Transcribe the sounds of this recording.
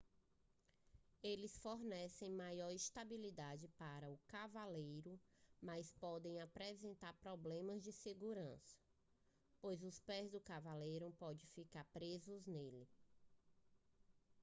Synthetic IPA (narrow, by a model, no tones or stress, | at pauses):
elɪsfoɾnɛsẽj̃majɔɾist̪abilid̪ad͡ʒɪpaɾɐʊkavalejɾʊmaspɔd̪ẽj̃apɾɛzẽnt̪aɾpɾɔblẽmɐzd͡ʒɪseɡuɾɐ̰̃sɐ̥ | pojzʊspɛzd̪ʊkavalejɾʊpɔd͡ʒɪ̃fikaɾpɾezʊznelɪ